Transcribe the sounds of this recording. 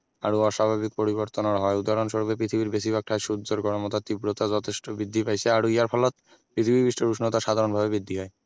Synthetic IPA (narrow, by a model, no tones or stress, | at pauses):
a̰ɾuɔʃabʱabik̚poɾiβoɾt̪onoɾɦɔeud̪aɾonʃoɾbepɾit̪ʰibiɾbes̬ibak̚ʈʰaeʃud̪d͡ʑoɾɡɔɽomot̪at̪ibɾot̪ad͡ʑɔt̪ʰeʃʈobɾid̪ʱːipajt͡ɕʰeaɾuiaɾpʰɔlot̪̚ | pɾit̪ʰibibiʃʈoɾuʃnot̪aʃad̪ʱaɾonbʱabebid̪ʱːiɦɔe